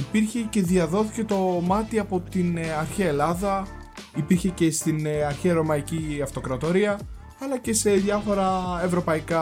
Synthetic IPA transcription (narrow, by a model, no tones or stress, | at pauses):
ipiɾçe̞ce̞ðiɐðo̞θi̥ce̞t̪o̞mɐt̪iɐpo̞t̪inɐɾçiɐelɐðɐ | ipiɾçe̞ce̞st̪inɐɾçiɐɾo̞mɐiciɐft̪o̞kɾɐt̪o̞ɾiɐ | ɐlɐce̞se̞ðʝɐfo̞ɾɐe̞vɾo̞pɐikɐ